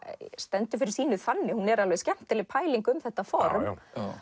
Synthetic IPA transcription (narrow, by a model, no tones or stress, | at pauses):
st̪ɛnt̪ʏfɪɾɪɾ̥siːnʏθanːɪhunɛɾalvɛscɛm̥t̪ɪlɪpʰaːjliŋkʏmθɛht̪ːafɔɾm